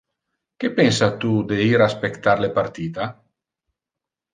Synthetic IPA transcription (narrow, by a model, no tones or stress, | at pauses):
kepɛnsat̪ud̪eiɾaspekt̪aɾlepart̪iːd̪a